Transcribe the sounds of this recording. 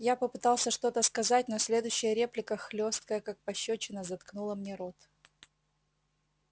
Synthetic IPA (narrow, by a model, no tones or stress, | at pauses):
japəpɨt̪ɑlˠsʲəʂt̪o̞t̪əskɐzat̚ʲnosʲlʲe̞d̪ʊjɕːɪjəɾʲe̞plʲɪkəxlʲo̞st̪̚kəjəkak̚pɐɕːot͡ɕɪnəzɐt̪knulˠəmnʲeɾot̪